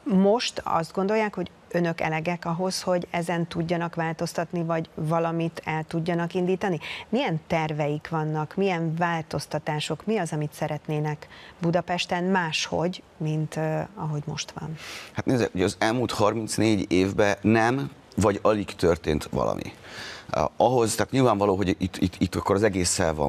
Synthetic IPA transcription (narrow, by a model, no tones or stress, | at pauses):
mo̞ʃt̪ɒ̰zd̪̚ɡo̞nd̪o̞jaːkho̞ɟ | ø̞nøkɛ̰lɛɡɛkɒɦo̞sho̞ɟɛzɛnt̪uɟːɒnɒkʋaːlt̪o̞st̪ɒt̪nivɒɟvɒlɒmit̪ʰɛlt̪uɟːɒnɒkind̪iːt̪ɒnimijɛnt̪ɛrvɛjikʋɒnːɒkmijɛɱvaːlt̪o̞st̪ɒt̪aːʃo̞kmiɒzɒmit̪sɛɾɛt̪neːnɛkbud̪ɒpɛʃt̪ɛnmaːʃho̞̰ɟmint̪ɒɦo̞ɟmo̞̰ʃt̪ʋɒ̰nhat̪neːzɛ̰khojɒzɛlmuːlt̪hɒrmint̪sneːɟeːvbɛnɛm | vɒɟɒlikt̪ørt̪ḛːnt̪ʋɒ̰lɒ̰mʔḭ | ɒɦo̞zt̪ɛːt̪ɲilvaːɱvɒloːɦo̞ɟit̪ːit̪ːit̪ːɒkːoɾɒzɛɡeːsːɛ̰lvɒ̰